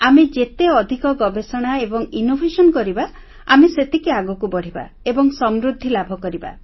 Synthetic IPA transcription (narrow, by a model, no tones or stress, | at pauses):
amed͡ʒet̪eɔd̪ʱikɔɡɔbesɔɽ̃aebɔŋinobʱesɔnkɔɾiba | a̰meset̪ikiaɡɔkubɔɽ̤iba̰ | ebɔŋsɔmɾud̪ʱːilabʱɔkɔɾiba̰